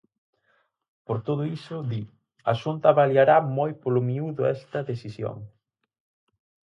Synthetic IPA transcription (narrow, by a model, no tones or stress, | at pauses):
poɾt̪oðʊisʊði | ɐaʃunt̪ɐβaljaɾamojpolʊmiuðʊɛst̪ɐðesisjo̰ŋ